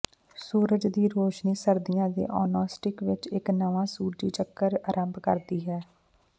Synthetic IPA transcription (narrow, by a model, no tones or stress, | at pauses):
suːɾəd͡ʒd̪iːɾoːʃniːsəɾd̪ɪjãːd̪ḛːʔɔːnaːsʈɪkʋɪt͡ʃɪknəʋãːsuːɖḭːt͡ʃəkːəɾəɾʔəmbkə̰ɾd̪iːɦɛː